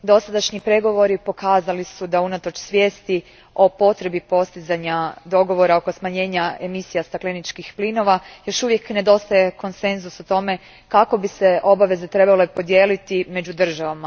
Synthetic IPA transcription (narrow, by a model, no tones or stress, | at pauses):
d̪o̞sad̪aʃɲipɾe̞ɡo̞ʋo̞ɾipo̞kaːzalisud̪aunat̪o̞t͡ʃsʋje̞ːst̪i | o̞po̞t̪ɾe̞bipo̞st̪izaɲad̪o̞ɡo̞ʋo̞ɾao̞ko̞smaɲe̞ːɲae̞misijast̪aklenit͡ʃkixplino̞ʋajo̞ʃuʋje̞kne̞d̪o̞st̪aje̞ko̞nse̞nzusot̪o̞me̞ | kako̞bise̞ʔo̞baʋe̞ze̞t̪ɾe̞bale̞po̞d̪je̞ːlit̪ime̞d͡ʑud̪r̩ʒaʋama